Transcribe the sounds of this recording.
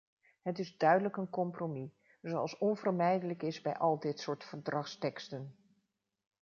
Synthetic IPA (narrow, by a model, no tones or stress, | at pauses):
ɦətɪzdœɥdələkənkɔmpromi | zowɑlˠsɔnvəɹmɛjdələkɪzbɛ̰jʔɑlˠdɪtsʊːɹtfəɹdrɑχstɛkstən